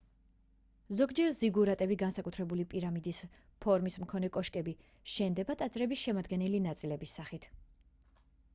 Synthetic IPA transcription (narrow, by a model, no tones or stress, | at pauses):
zɔɡd͡ʒɛɾziɡuɾat̪ʼɛbiɡansakʼut̪ʰɾɛbulipʼiɾamid̪is | pʰɔɾmismkʰɔnɛkʼɔʃkʼɛbi | ʃɛnd̪ɛbat̪ʼad̪zʼɾɛbisʃɛmad̪ɡɛnɛlinat̪sʼilɛbisːaχit̪ʰ